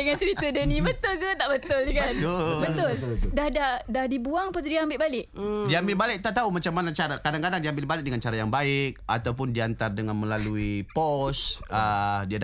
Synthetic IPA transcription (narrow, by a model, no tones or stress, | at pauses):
dəŋant͡ʃəɾit̪ədənĩbət̪ʊlkət̪aʔbət̪ʊlikanobət̪ʊldahdahdahdibuaŋapat̪udiaambɪlʔbalɪʔ̚diambɪlbalɪk̚t̪aʔt̪aumat͡ʃamːanat͡ʃaɾakadaŋkadaŋdiambɪlbalɪk̚dəŋant͡ʃaɾajaŋbaɪk̚a̰t̪awp̬ʊndiant̪ardəŋanmə̃laluipɔsədiada